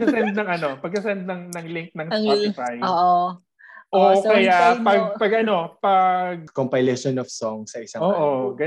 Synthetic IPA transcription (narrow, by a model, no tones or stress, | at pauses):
sɐsɛnd̪nɐŋʔɐnopɐɡ̚kɐsɛnd̪̚nɐŋnɐŋlɪŋk̚nɐŋpat̪ɪfajoʔ | ʔookɐjapɐɡ̚pɐɡʔɐno̞pɐɡ̚kompɐjlɛʃonɔfsoŋsɐʔɪsɐoʔoɡɐ